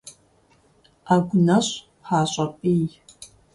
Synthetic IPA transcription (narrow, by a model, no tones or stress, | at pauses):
aɡʷʊnɐɕ | χaːɕʼɐpʼiːj